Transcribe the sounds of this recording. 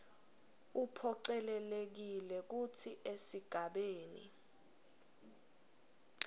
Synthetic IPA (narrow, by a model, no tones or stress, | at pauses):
upʰɔǀɛlɛlek̬ilɛk̬utʰiʔesiɡ̥ʱaɓeːnḭ